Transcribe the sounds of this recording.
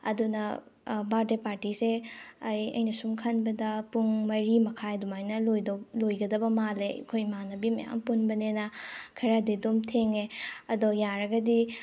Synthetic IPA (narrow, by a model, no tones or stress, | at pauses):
ɐ̰dunɐbaɾdepaɾtiseɐjɐ̰jnɐsumkʰɐnbɐdɐpuŋmɐɾimɐkʰajdumajnɐlojdolojɡɐdɐbɐmalekʰojmanɐbimɐ̰ja̰ŋpunbɐnenɐkʰɐɾadidomtʰeŋeɐdojaɾɐɡɐdi